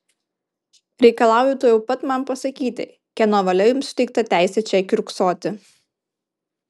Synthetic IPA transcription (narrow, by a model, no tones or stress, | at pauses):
ɾʲɛɪkɐlˠɑˑʊjɪt̪oːjɛʊpɐt̪mɐmpɐsɐkʲiːt̪ʲɪ̰ | kʲɛnoʋɐlʲɛjʊmsʊ̥t̪ʲɛɪk̚t̪ɐt̪ʲæˑɪsʲɛt͡ʃʲɛkʲɾʲʊksoːt̪ʲɪ